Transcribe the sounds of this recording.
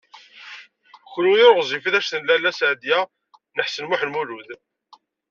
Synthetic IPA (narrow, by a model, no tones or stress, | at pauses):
xlujoɾʁzˤifiðæʃθənlælːæsʕd̪jæ | nəħsənmʊħnmuluð